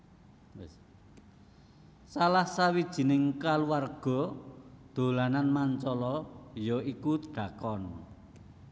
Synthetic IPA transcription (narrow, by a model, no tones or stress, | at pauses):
salahsawid̥ʒ̥i̤nɪŋkaluwarɡ̥ɔ̤d̪̥o̤lananmaɲt͡ʃɔlɔjɔikud̪̥a̤kɔn